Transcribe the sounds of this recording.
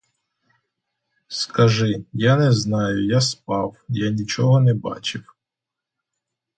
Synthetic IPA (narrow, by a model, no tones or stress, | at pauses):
skɐʒɪjanɛznɑjʊjaspɑwjanʲit͡ʃɔɦɔnɛbɑ̰t͡ʃɪw